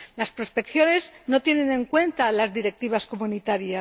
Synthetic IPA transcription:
laspɾo̞spe̞kθjo̞ne̞zno̞t̪jene̞nẽ̞ŋkwe̞nt̪alazðiɾe̞k̚t̪iβ̞asko̞munit̪aɾja

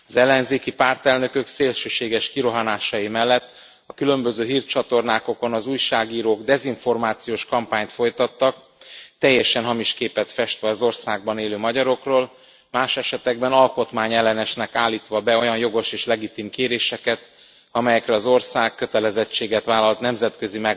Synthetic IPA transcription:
ɒzɛlːɛnzeːkipaːrt̪ɛlnø̞køkseːlʃøːʃeːɡɛʃkiɾo̞ɦanaːʃɒjimɛlːɛt̪ː | ɒkylø̞mbøzøːɦiːrt̪t͡ʃɒt̪o̞rnaːko̞ko̞nɒzuːjʃaːɡiːɾoːɡd̪ɛziɱfo̞rmaːt̪sijoːʃkɒmpaːɲt̪fo̞jt̪ɒt̪ːɒk̚ | t̪ɛjːɛʃɛnɦɒmiʃkeːpɛt̪fɛʃt̪ʋɛɒzo̞rsaːɡ̚bɒneːløːmɒɟɒɾo̞kroːl | maːʃɛʃɛt̪ɛɡbɛnɒlko̞t̪maːɲɛlːɛnɛʃnɛkaːlːiːt̪ʋɒbɛo̞jɒnjo̞ɡo̞ʃeːʃlɛɡit̪imkeːɾeːʃɛkɛt̪ | ɒmɛjɛkɾɛɒzo̞rsaːkːø̞t̪ɛlɛzɛt͡ʃːeːɡɛt̪ʋaːlɒlt̪nɛmzɛt̪køzimɛ

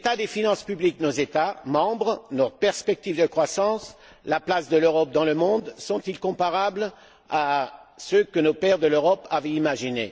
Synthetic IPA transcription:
et̪ad̪efinɑ̃spyblik̚nozet̪amɑ̃bʁənɔt̪pɛʁspɛk̚t̪ivd̪əkχwasɑ̃s | laplasd̪əløʁɔp̚d̪ɑ̃ləmɔ̃d̪sɔ̃t̪ilkɔ̃paʁabl | asøkənopɛʁd̪əløʁɔpavɛ̃imaʒinḛ

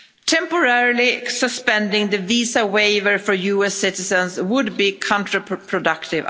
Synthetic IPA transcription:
tʰɛ̃mpɔɹɛɹɪlɪsəspɛ̃ndɪ̃ŋðəviːsaweɪvəɹfɔɹjuːɛsɪtɪsə̃nswʊdbikʰɔ̃ntɹəpʰɹɔdʌktɪv

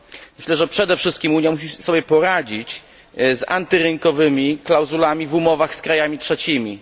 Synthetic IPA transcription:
mɘɕlɛʐɛpʂɛd̪ɛfʂɘst̪̚kʲimuɲjamuɕ̬isɔbʲjɛpɔɾad͡ʑit͡ɕ | za̰nt̪ɘɾɘŋkɔvɘmʲiklawzulamʲivumɔvaxskɾajamʲitʂɛt͡ɕimʲi

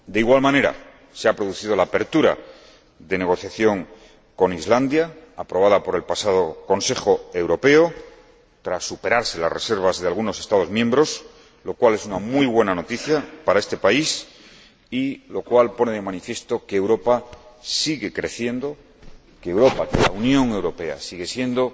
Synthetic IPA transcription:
d̪eiɣwalmãne̞ɾa̰ | se̞apɾo̞ð̞uθið̞o̞laːpe̞ɾt̪uɾa̰ | ðe̞ne̞ɣo̞θjaθjo̞ŋ | ko̞nizland̪jaːpɾo̞β̞aðapo̞ɾe̞lpasað̞o̞ko̞nse̞xo̞e̞wɾo̞pe̞o̞ | t̪ɾasːupe̞ɾaɾse̞la̰srese̞ɾβazðe̞alɣ̞uno̞se̞st̪að̞o̞zmjẽ̞mbɾo̞s | lo̞kwale̞sunamujβ̞we̞nano̞t̪iθjapaɾae̞st̪e̞pais | ilo̞kwalpo̞neðe̞manifje̞st̪o̞keːwɾo̞pasiɣe̞kɾe̞θje̞nd̪o̞ | keːwɾo̞pakela̰unjõ̞ŋe̞wɾo̞pe̞a̰siɣe̞sje̞nd̪o̞

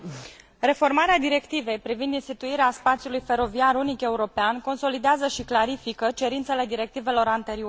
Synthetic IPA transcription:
re̞fo̞rmaɾead̪iɾe̞kt̪ive̞jpɾivind̪inst̪it̪uiɾeaspat̪sjulujfe̞ɾo̞viarunike̞uɾo̞peanko̞nso̞lid̪eazəʃiklaɾifikət͡ʃe̞ɾint̪se̞le̞d̪iɾe̞k̚t̪ive̞lo̞ɾant̪e̞ɾio

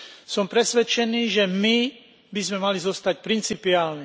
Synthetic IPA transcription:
sɔmpɾɛsʋɛt͡ʃɛniːʒɛmi | bizmɛmalizɔst̪acpɾint͡sipiaːlni

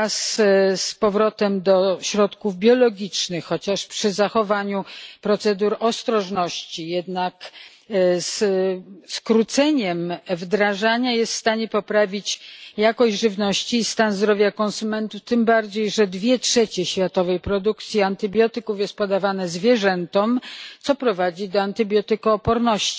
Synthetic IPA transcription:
asspɔvɾɔt̪ɛmd̪ɔɕɾɔt̪kuvbʲjɔlɔɡʲit͡ʂnɘxːɔt͡ɕaʂpʂɘzaxɔvaɲupɾɔt̪sɛd̪uɾɔst̪ɾɔʐnɔɕt͡ɕijɛd̪nak | s | skɾut̪sɛɲɛmvd̪ɾaʐaɲajɛst̪fst̪aɲɛpɔpɾavʲit͡ɕjakɔʑʐɘvnɔɕt͡ɕiːst̪anzd̪ɾɔvʲjakɔnsumɛnt̪uft̪ɘmbaɾd͡ʑejʐɛd̪vʲjɛtʂɛt͡ɕɛɕfʲjat̪ɔvɛjpɾɔd̪ukt̪sʲjiant̪ɘbʲjɔt̪ɘkufjɛst̪̚pɔd̪avanɛzvʲjɛʐɛnt̪ɔmt̪sɔpɾɔvad͡ʑid̪ɔant̪ɘbʲjɔt̪ɘkaːpɔɾnɔɕt͡ɕi̥

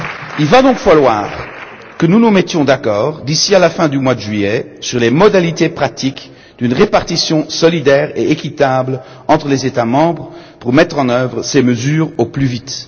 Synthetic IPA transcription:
ilvad̪ɔ̃kfalwa̰ːʁ | kənunumɛt̪jɔ̃d̪akɔːʁd̪isialafɛ̃d̪ymwad̪əʒɥiɛ | syʁlemɔd̪alit̪epχat̪ik | d̪̥ynʁepaʁt̪isjɔ̃sɔlid̪ɛʁeekʲit̪abl | ɑ̃t̪χəlezet̪amɑ̃bʁəpuʁmɛt̪χɑ̃nœvʁəseməzyːʁoplyvit̪

